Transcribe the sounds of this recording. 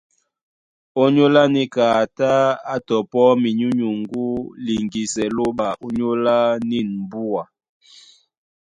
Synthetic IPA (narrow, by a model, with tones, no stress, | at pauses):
o˦ɲo˦la˦ni˦kaː˨ta˦a˦tɔ˨pɔ˦mi˨ɲu˦ɲu˨ŋɡu˦li˨ŋɡi˨sɛ˨lo˦ɓa˨ʔo˦ɲo˦la˦ni˦˨nm˨bu˦a˨